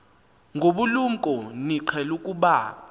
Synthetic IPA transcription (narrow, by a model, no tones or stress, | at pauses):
ŋɡʱoɓulum̩kʼɔniǀʰɛlukʼuɓaː